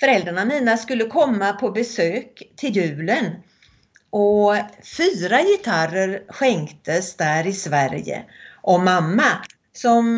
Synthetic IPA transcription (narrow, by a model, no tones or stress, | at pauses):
fœɾɛld̪ɾaɳamiːnaskɵlːəkʰɔmːapʰɔbɛsøːkt̪ʰɪljʉ̟ːlən | ʔɔfyːɾajɪt̪ʰaɾəɾɧɛŋkt̪əsd̪æːɾɪsvæɾjə̰ʔɔmamːa | sɔm